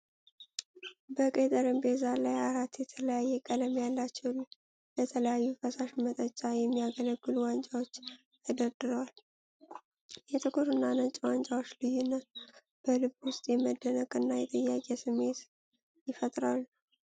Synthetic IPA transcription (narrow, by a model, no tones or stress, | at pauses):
bəkʼet̪ʼəɾɨmbezalajaɾat̪jɛt̪ʰələjajːɛkʼələmjalːat͡ʃːɛw | lət̪ʰələjajːufəsaʃmət̪ʼət͡ʃʼːajɛmːijaɡələɡːɨluwant͡ʃʼawo̞t͡ʃː | əd̪əd̪ɨɾwal | jɛt̪ʰɨkʰuɾɨnːanət͡ʃʼwant͡ʃʼawot͡ʃːlɨjːunːət̪̚ | b̥əlɨβwʊst̪ʼjɛməd̪ːənəkʼɨnːajɛt̪ʼəjːakʼɛsɨmːe̞t̪ | jɪfət̪ʼɾalː